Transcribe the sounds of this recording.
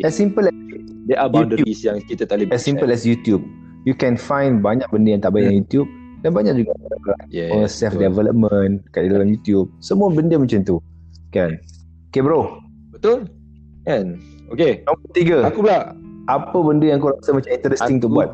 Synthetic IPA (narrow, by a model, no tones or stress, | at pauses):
ɛsːĩmpəlɛs̚ | deʔabudəuisjaŋkit̪ət̪aliɛssimpəlɛsjut̪jub̚ | jukɛ̃nfãjnbaɲak̚bəndəjaŋt̪aʔbajɪʔnajut̪jub̚ | danbaɲak̚d͡ʒuɡaaakəla̰ʔɔŋəsɛfdɛvɛlə̰p̚mə̃nkatdidalamjut̪jub̚səmũabəndəmə̃nt͡ʃant̪u | kan | kebɾo | bət̪ʊl | kɛn | okenɔ̃bət̪iɡəakublaʔʔapəbəndəjãŋkoɾasəmat͡ʃamĩnt̪əɾɛsiŋt̪ubuat̪̚